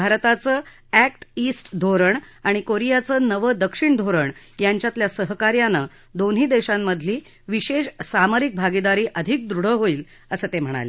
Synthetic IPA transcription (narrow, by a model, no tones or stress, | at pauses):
bʱaɾt̪at͡səː | ækʈisʈd̪ʱoɾəɳ | aɽ̃ikoɾijat͡səːnəʋəd̪əkʂiɳd̪ʱoɾəɳ | jaɲt͡ɕjat̪ljasəɦkaɾjanə | d̪onɦiːd̪eɕamːəd̪ʱliː | ʋiɕeɕsaməɾik̚bʱaɡid̪aɾiːʔəd̪ʱik̚d̪ɾuɽ̤əɦoiːl | əsət̪em̤əɽ̃a̰lḛ